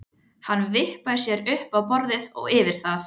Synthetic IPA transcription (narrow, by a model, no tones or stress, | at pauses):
hanːvɪhpajsjɛɾʏhpawpɔɾðɪðɔ̰ɣɪːvɪɾ̥θaθ